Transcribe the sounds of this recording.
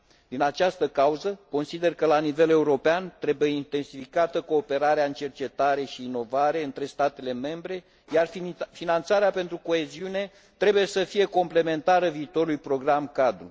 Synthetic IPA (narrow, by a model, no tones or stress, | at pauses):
d̪inat͡ʃast̪əkauzəko̞nsid̪e̞rkəlanive̞le̞uɾo̞peant̪ɾe̞bujeint̪e̞nsifikat̪əko̞ːpe̞ɾaɾeaɨnt͡ʃe̞rt͡ʃe̞t̪aɾe̞ʃiːno̞vaɾe̞ɨnt̪ɾe̞st̪at̪e̞le̞me̞mbɾe̞ | jarffinant̪saɾeape̞nt̪ɾuko̞e̞ziune̞ | t̪ɾe̞buje̞səfije̞ko̞mple̞me̞nt̪aɾəviːt̪o̞ɾujpɾo̞ɡɾamkad̪ɾṵ